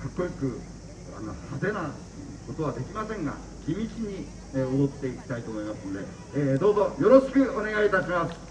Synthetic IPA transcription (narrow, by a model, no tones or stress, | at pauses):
kakːo̞jikɯ̟ | a̰nosat̪e̞na | ko̞t̪o̞β̞ad̪e̞kʲimasẽ̞ŋɡa̰ | kʲimʲit͡ɕiɲ̟i | eod̪o̞t̪ːe̞ikʲi̥t̪ait̪oːmo̞imasɨno̞d̪e̞ | d̪o̞ːzo̞jo̞ɾo̞ɕi̥kɯ̟one̞ɡait̪aɕimasɨ̥